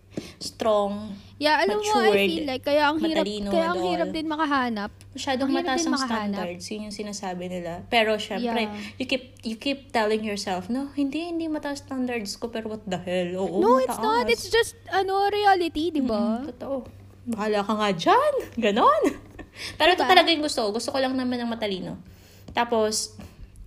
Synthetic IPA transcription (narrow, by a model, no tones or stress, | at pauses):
st̪ɾoŋ | jaʔɐlɐmoajfilːajkːɐjaʔɐŋhiːɾɐinokːɐjaːʔɐŋhiːɾɐp̚d̪ɪnmɐkɐɦaːnɐp̚mɐʃaːd̪oŋimɐɾɐaʔd̪ɪnɐmɐkɐt̪aːnd̪ɐɹd̪sjɪɲːʊŋsɪnaːsaːbɪnɪlapɛɾo̞ʃɛmmjɾɛjʊkip̚jʊkip̚t̪ɛlɪŋjɔɹsɛlfnohɪnd̪ihɪ̃nd̪imɐt̪aʔst̪and̪ɐɹd̪skopɛːɾowɐt̪̚d̪ahɪloːʔonoɪt̪ɐʔ̪ɪt̪sd͡ʒɐst̪ɐnoɾɪalɪt̪id̪ɪbat̪ot̪oʔo | mɐhaːlɐkɐŋad͡ʒanɡɐno̞npɛːɾot̪ot̪ɐlɐɡajʊŋɡʊst̪okoɡʊst̪okolɐŋnɐmanɐŋmɐt̪ɐliːno̞̰ | t̪aːpo̞s